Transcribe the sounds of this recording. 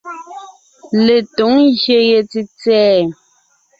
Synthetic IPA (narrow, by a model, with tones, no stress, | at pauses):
le˨to˨˦ŋɣje˨je˨ti˨t͡sɛː˦